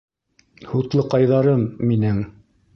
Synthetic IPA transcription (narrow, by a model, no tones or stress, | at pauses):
hut̪lˠɤqɑjðɑɾɤmːinɘŋ